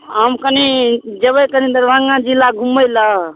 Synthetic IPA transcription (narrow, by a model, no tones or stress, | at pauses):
ɦəmkənid͡ʒəβəkənid̪əɾbʱaŋãd͡ʒilaɡʱuməjləɦ